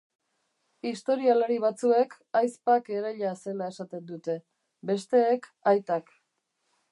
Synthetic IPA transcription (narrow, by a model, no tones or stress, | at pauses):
ist̪o̞ɾialaɾiβ̞at͡sue̞k | ajspake̞ɾeʎase̞lae̞sat̪e̞nd̪ut̪e̞ | be̞st̪e̞ːkajt̪ak